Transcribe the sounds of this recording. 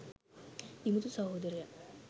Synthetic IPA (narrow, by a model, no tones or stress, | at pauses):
imut̪usɐɦoːd̪ɐɾja